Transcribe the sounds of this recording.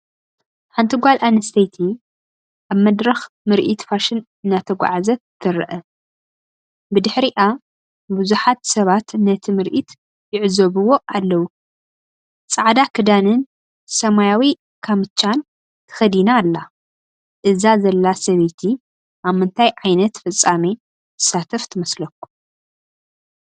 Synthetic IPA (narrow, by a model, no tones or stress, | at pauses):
ħant̪ʰiɡʷalʔanɐst̪ʰɐjt̪ʰi | ʔaβmɐd̪ɾɐx | mɨɾʔit̪faʃɪn | nat̪ʰɐɡʷa̰ʕazɐt̪t̪ʰːɨɾɨ̰ʔɐ | bɨd̪ɨħɾiʔa | buzuħat̪sɐβat̪nɐt̪ʰimɨɾʔit̪ | jɪʕzɐβɨwo̞ʔalːɐwu | t͡sʼaʕd̪akʰɨd̪anɨn | sɐmajawi | kʰamɨt͡ʃʰʼːan | t̪ʰɨ̥xɐd̪inaːlːa | ʔɨzazɐlːasɐβet̪ʰi | ʔaβmːɨnt̪ʰajʕajnɐt̪fɨt͡sʼːame | t̪ʰɨ̥sat̪ʰɐft̪ʰɨmɐslɐkːu̥